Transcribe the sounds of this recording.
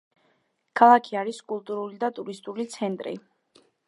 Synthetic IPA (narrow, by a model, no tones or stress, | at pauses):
kʰalˠakʰiaɾiskʼulˠt̪ʼuɾulid̪at̪ʼuɾist̪ʼulit̪sʰɛnt̪ʼɾḭ